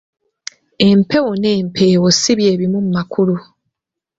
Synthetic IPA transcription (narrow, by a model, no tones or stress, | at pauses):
e̞mpe̞woneːmpʰe̞wosiβjeːβimum̩makulu